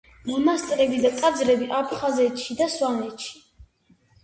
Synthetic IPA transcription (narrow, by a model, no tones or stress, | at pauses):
mɔmast̪ʼɾɛbid̪at̪ʼad̪zɾɛbiʔapʰχazɛt̪ʃid̪aswanɛt̪ʃi̥